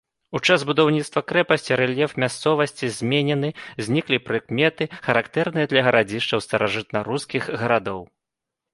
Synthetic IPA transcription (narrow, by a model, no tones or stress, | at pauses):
ut͡ʂazbud̪awnʲit̪st̪vɐkɾɛpɐsʲt͡sʲiɾɛlʲjɛfmʲast̪sɔvɐsʲt͡sʲizʲmʲenʲɛnɨzʲnʲiklʲipɾɨkmʲɛt̪ɨxɐɾakt̪ɛrnɨjɐd̪lʲɐɣɐɾad͡zʲiʂt͡ʂɐwst̪ɐɾaʐɨt̪̚nɐɾuskʲiɣɣɐɾad̪ɔw